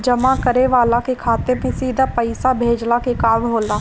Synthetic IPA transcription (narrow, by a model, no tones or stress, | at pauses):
d͡ʒəmakəɾeʋaːlakekʰaːt̪emẽsiːd̪ʱapəɪsabʱeːd͡ʒlakekaːʋɦoːlaː